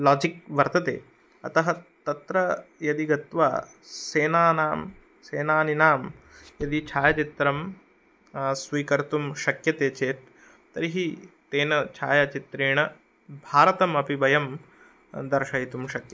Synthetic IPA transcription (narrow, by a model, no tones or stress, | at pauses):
laːd͡ʒikʋɐɾt̪ɐt̪ḛː | ɐ̰t̪ɐɦɐt̪ɐt̪ɾɐjɐd̪iɡɐt̪ʋa̰ː | seːnaːnaːm | seːnaːninaːmjɐd̪it͡ʃʰaːjɐt͡ʃit̪ɾɐm | sʋiːkɐɾt̪umʃɐkjɐt̪eːt͡ʃeːt̪̚ | t̪ɐɾiɦit̪eːnɐt͡ʃʰaːjɐt͡ʃit̪ɾiːɳɐ | bʱaːɾɐt̪ɐmɐpibɐjɐm | d̪ɐɾʃɐjit̪umʃɐkjɐ